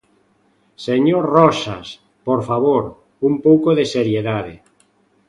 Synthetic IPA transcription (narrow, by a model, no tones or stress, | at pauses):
seɲoɾrɔsa̰s | poɾfaβ̞oɾ | umpowkoðeseɾjeðaðe